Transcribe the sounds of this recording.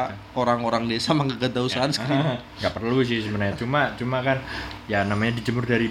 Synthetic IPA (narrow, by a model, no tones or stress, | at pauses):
oɾaŋoɾaŋdesamaŋɡəɡət̪ausaanski | ɡapərlus̬ɪhsəbənaɲat͡ʃumat͡ʃumakanjanamaɲadid͡ʒəmʊrdaɾi